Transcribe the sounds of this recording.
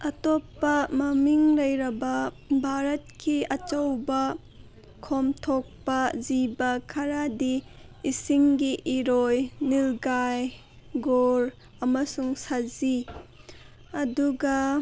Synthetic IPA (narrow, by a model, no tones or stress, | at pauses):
ɐtopːɐmɐmiŋlɐjɾɐbɐ | bʱaɾɐt̚kʰiɐt͡ʃɐwbɐ | kʰomtʰok̚pɐzibɐkʰɐɾadi | isiŋɡiʔiɾojnilɡaj | ɡoɾ | ɐmɐsuŋsazi | ɐduɡɐ